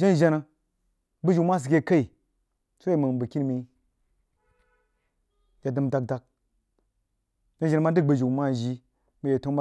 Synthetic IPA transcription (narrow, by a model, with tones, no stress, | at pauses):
ʒa˦nʒa˨na˨ | bə˦ʒu˨ma˦s̬i˨kʲe˦ka˦i˨ | so˦e˦˨mə˨nbə˨ki˦n˦mi˦ | ja˨dɨ˨mda˨k̚da˨˦k̚ | ʒa˦n˦a˨n˨ma˦dɨ˦k̚bə˨ʒu˨ma˦ʒi˦ | mi˨je˨to˦mba˦